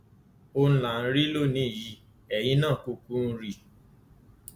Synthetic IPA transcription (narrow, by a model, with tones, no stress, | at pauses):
o˦˧n̩˦la˨n̩˦ɾi˦lo˦˨nĩ˨˦˨ji˧˦ | ɛ˨jĩ˧˦nãː˦˨ku˧kũ˦n̩˦ɾi˦˨